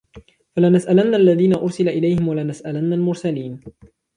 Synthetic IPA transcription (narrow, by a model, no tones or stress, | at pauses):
falanasʔalanːaalːaðiːnaʔʊɾsɪlaʔɪlajhɪmwalanasʔalanːalmʊɾsaliːn